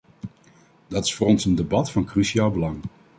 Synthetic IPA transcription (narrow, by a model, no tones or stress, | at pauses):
dɑtɪ̥sfʊːɾɔnsəndebɑtfɑnkryʃiaːlˠbəlɑŋ